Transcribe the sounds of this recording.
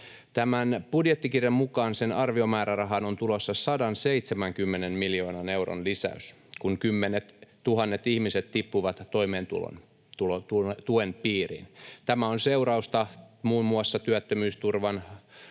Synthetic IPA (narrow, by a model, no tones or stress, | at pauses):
t̪æmænb̥udjet̪ːikirjɑmmukɑːnsenɑrʋiomæːɾærɑɦɑnont̪ulosːɑsɑdɑnseit̪semæŋkymːenenmiljoːnɑne̞uro̰nlisæ̰ys | kunkymːenet̪t̪uhɑnːet̪ihmiset̪t̪ipːuʋɑt̪ːoimeːnt̪ṵlo̰n | t̪ulot̪ut̪uenpiːrḭnt̪æmæonseurɑust̪ɑmuːmːuɑsːɑt̪yæt̪ːømyːst̪urʋɑn